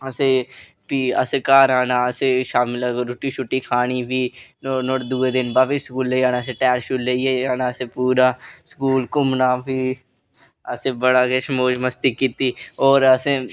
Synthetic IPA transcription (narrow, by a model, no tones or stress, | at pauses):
əse | piə̰sekaːɾaːnaːəseʃaːmɪlːɾʊʈiʃʊʈːiːkʰaːñiːbʱiːonoːʈd̪uːed̪ɪnbaːbiskuːlːeiaːnaːəs̬eʈɛːɾʃuːlːeieaːnaːəsepuːɾaːskuːlkʊmnaːbʱiː | əsebəɽaːkeʃmoːd͡ʒməst̪ikiːt̪iːoːɾəsẽ